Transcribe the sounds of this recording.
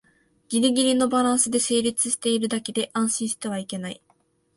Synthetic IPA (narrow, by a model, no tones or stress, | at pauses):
ɡ̥ʲiɾʲiɡʲiɾʲino̞baɾãɰ̃sɨd̪e̞se̞ːɾʲit͡sɨ̥ɕi̥t̪e̞iɾɯ̟d̪ake̞d̪e̞ʔãɰ̃ɕĩɰ̃ɕi̥t̪e̞β̞aike̞naḭ